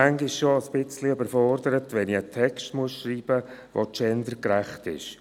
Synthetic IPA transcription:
æŋɡɪʃʃoəsb̥ɪt͡sliøbəɾfɔrdəɾətʋɛniətʰɛkstmuəsʃriːb̥ə | ʋo̰tt͡ʃɛndəkɾæχtɪ̰ʃ

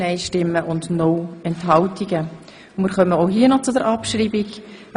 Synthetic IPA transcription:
ɛɪʃtɪmːəʔʊndnɔwɛnthɑltiɡə | mɪːɾχœməoʊɦiənɔt͡sʊdəɾʔɑpʃɾiːbik

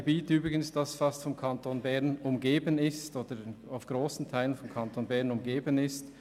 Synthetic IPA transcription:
biːtyːbʁɪɡənsd̥asfastfɔmkʰantonbɛʁnʊmɡeːbənɪstoːd̥ənaʊfɡ̥ʁoːsn̩tʰaɪlənfɔmkʰantoːnbɛɐʁnʊmɡeːbənɪst

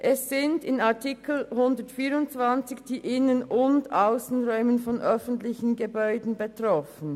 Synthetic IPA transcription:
ʔɛssːɪndɪnaɐtʰikl̩hʊndətfiːɾʊntt͡sv̥ant͡sɪçd̥iːʔɪnənʊndaʊsn̩ʁɔʏmənfɔnʔœfn̩tlɪçn̩ɡəbɔʏdn̩betʁɔfn̩

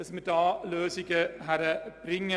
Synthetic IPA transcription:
smɪd̪ɑːløːsɪɡəɦæɾəb̥ɾɪŋə

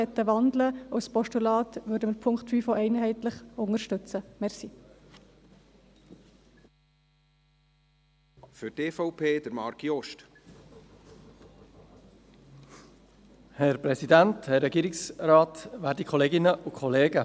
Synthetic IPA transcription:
ɛt̪ːəʋɑndləospɔʃtulɑːt̪ʋʉːɾdəməpʰʊŋktfyːfoʔɛɪnɦɛɪtləχʊŋəɾʃtʏt͡səmɛrsi | fʏteːfɔʊpʰeːd̪əɾmɑɾkiɔʃt | hɛɾpɾɛsidænthɛrːɛɡiːɾɪksrɑːtʋæːɾdikʰɔleːɡɪnəʔukʰχɔleːɡə

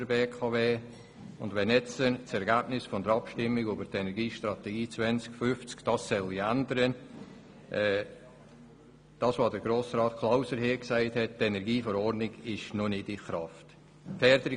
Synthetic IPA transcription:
əbeːkʰɑveː | ʊndʋɛnɛt͡sənt͡sɛɾɡæbnɪsfɔndəɾɑpʃtɪmːɪɡybəɾtɛnɛɾɡiːʃtɾɑtɛɡiːt͡svɛnt͡skfʏft͡skd̥ɑsːɛliændəɾən | ʔɛ | d̥ɑːsvoːdəɾɡɾoːsrɑːtkʰlaʊsəɾheːksɛɪthɛt̚tɛnɛɾɡiːfɔɾɔɾnɪɡɪʃnonɪdɪχrɑft | fɛɾdəɾɪ

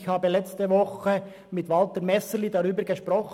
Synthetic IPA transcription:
çhɑːbəlɛt͡stəʋɔχə | mɪtʋɑltəɾmɛsəlidɑɾyːbəɾɡəʃpɾɔχ

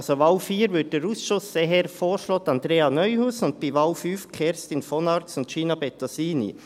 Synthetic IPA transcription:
soʋɑlfiːɾʋʏt̚d̥əɾuːsʃʊsːeɦəɾfoːɾʃloːt̪ɑnd̪ɾeːɑnœʏhusʊnt̚piʋɑlfyːfkʰɛɾstɪnfɔnɑɾtsʊntʃiːnɑbɛt̪ɔsiːnḭ

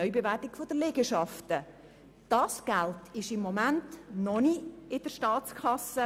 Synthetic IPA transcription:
œʏbevætɪɡfod̥̪əlɛɡəʃɑftə | d̥ɑsɡ̥æltʰɪʃɪmːomæntnɔniɪd̥əɾʃtɑːt͡skʰɑsə

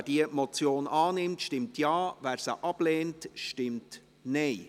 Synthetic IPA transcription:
d̥iəmɔt͡sjoːnʔɑːnɪmtʃtɪmtjɑːvæːɾsə̰ʔɑb̥leːntʃtɪmt | nɛɪ

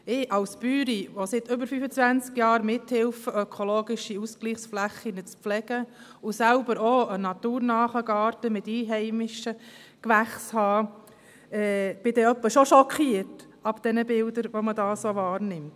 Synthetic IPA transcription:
ɪʔɑlspyːɾiʋɔsɪt̪ʏbəɾfyfət͡sʋænt͡skjɑːɾmɪthɪlfəœkʰoloːɡɪʃiuskliːχsflæχinət͡spflɛɡ̥ə | ʊsælbəɾoənɑt̪uːɾnɑːχəɡɑːɾtəmɪt̪iːɦɛɪmɪʃəkʋæχshɑː | ɛːb̥ɪd̥ɛœpːəʃɔʃɔkʰiəɾt | ɑb̥d̥ɛnəbɪld̪əɾʋomədɑːsoʋɑːɾnɪmt

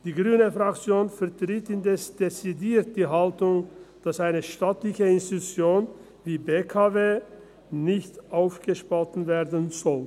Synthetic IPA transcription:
d̥iːɡʁyːnəfʁakt͡sjoːnfɛɐtʁ̥itɪndɛsd̥et͡sidiːɐt̚d̥iːɦaltʊŋd̥asʔaɪnəʃtaːtlɪçəɪnstitut͡sjoːn | viːbeːkʰaveː | nɪçtʔaʊfɡ̥əʃpɔtn̩veːɐdənzɔl

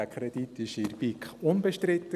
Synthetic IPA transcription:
ækʰɾɛd̪it̪ɪʃɪɾbikʊnbɛʃtɾɪt̪ə

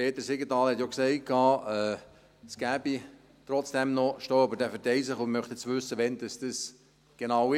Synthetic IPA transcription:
peːt̪əseɡətɑːlhɛt̪jɔksɛɪkʰɑːɛː | sɡ̥æːbi | tɾɔt͡sd̥ɛmnɔʃtoːɑbəɾd̥ɛːfəɾtɛɪsɪχʊmœχt̪ɛt͡sʋʏsːəʋɛnd̥ɑsd̥əs | ɡ̥enɑwɪ

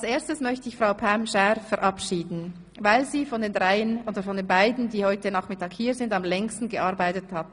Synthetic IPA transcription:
alseːɐstəsmœçtəɪçfʁ̥aʊpʰamʃɛfɛɾʔapʃiːdn̩ | vaɪlziːfɔndeːnʁaɪənoːdəfɔndeːnbaɪdn̩diːhɔʏtənaːχmɪtaːkhiːɐzɪndamlɛŋstn̩ɡəʔaɐɾbaɪtəthatn

